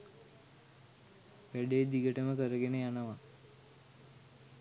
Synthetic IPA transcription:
ʋæɖeːd̪iɡəʈəməkəɾəɡenəjanəʋa

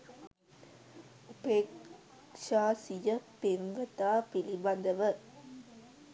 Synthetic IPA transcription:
upeːk | ʂaːsijɐpeɾɡɐt̪aːpilibɐnd̪ɐʋə

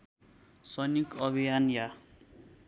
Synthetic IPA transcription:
sʌnikʌbʱijanja

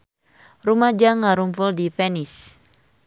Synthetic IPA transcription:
rumad͡ʒaŋaɾumpʊldipɛnis

